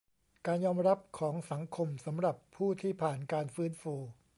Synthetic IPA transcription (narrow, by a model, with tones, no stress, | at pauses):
kaː˧njɔː˧mɾa˦˥p̚kʰɔː˩˦ŋsa˩˦ŋkʰo˧msa˩˦mɾa˨˩pʰːuː˥˩t̪ʰiː˥˩pʰaː˨˩nkaː˧nfɯː˦˥nfuː˧